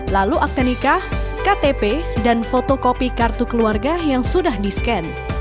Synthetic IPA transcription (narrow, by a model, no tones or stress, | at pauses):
laluʔak̚danikakat̪epedanfot̪okopikart̪ukəluarɡajaŋsudahdiskɛn